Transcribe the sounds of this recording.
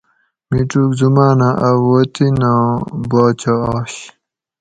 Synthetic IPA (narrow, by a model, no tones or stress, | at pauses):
miʈ͡ʂuːkzumaːnaʔawot̪inãːbaːt͡ɕaːɕ